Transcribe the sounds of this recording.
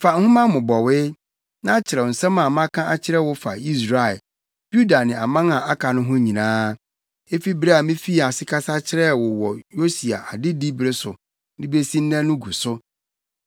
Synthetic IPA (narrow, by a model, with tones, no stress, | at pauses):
fa˨ŋ̩˦hʊ̃˦mã˦mʊ̃˨bɔ˨wɪ˦ | nã˦t͡ɕʰɪ˨ɾɛ˨n̩˨sɛ̃˦mã˨mã˦kʰã˦ʔa˦t͡ɕʰɪ˦ɾɛ˦wʊ˦fa̰˨i˦sɾa˨ɛ˨ | b̥u˦da˨nɪ̃˨a˨mã˦ŋã˨a˦kʰa˨nʊ̃˦ɦʊ̃˦ɲĩ˨nãː˦ | e˦fi˦bɾe˦a˨mĩ˦fi˦˨a˨sɪ˦kʰa˦sa˦t͡ɕʰɪ˦ɾɛ˦˨wʊ˨wɔ˨jo˦si˨a̰˨ʔa˨dɪ˦di˦bɾe˦sʊ˨ | nɪ̃˦be˦sĩ˦n̩˦nɛ̃˦nʊ̃˦ɡu˨sʊ˦